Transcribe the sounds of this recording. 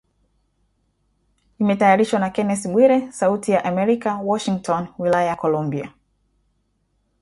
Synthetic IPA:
imɛtajaɾiʃwanakɛnɛsiɓwiɾɛsautijaʔamɛɾikawɔʃiŋtʰɔnwilajajakɔlɔmbia

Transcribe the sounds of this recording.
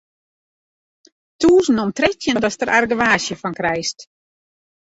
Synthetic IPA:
tuːsnomtrɛtjəndɔstəɾʔarɡəʋaːsjəfɔnkrɛjst

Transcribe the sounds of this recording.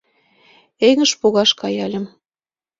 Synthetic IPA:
eŋə̆ʃpoɣɑʃkɑjɑlʲə̆m

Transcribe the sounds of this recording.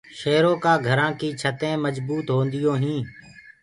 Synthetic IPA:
ʃeːɾõːkaːɡʱəɾãːkiːt͡ʃʰət̪ẽːməzbuːt̪ɦoːnd̪ɪjõːɦĩː

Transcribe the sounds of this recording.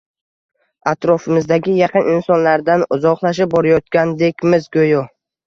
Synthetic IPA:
at̪ɾɒfɪmɪzd̪aɡʲɪjɑqɨnʔɪnsɒnlaɾd̪anʊzɒqlˠaʃ̬ɪp̚bɒɾajɒt̪̚kʲand̪ekʲmɪzɡojɒ

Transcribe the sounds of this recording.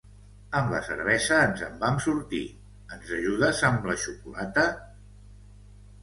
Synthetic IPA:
əmlə̰sə̰ɾβɛzəːnzəmbamsuɾt̪ḭ | ənzəʒuðəzəmləʃukulat̪ə

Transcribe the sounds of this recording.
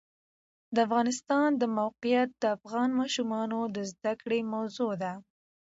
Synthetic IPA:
d̪əafɣɑnɪst̪ɑnd̪əmawqɪjat̪̚d̪əafɣɑnmɑʃumɑnod̪əzd̪akɽemawzod̪a

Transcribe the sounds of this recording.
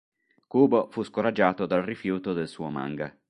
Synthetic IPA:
kuːbofuskoɾad͡ʒːaːt̪od̪alrifjuːt̪od̪elsuːoma̰ŋɡa̰

